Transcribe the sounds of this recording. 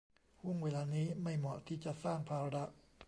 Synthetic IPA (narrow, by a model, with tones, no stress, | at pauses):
hu˥˩ŋweː˧˩laː˧niː˦˥ma˥˩jmɔ˨˩t̪ʰiː˥˩t͡ɕa˨ʔsaː˥˩npʰaː˧ɾa˧da˧˩ʔ